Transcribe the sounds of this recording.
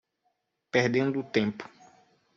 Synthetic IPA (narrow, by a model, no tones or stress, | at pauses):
peɾd̪ẽnd̪ʊut̪ẽpʊ̥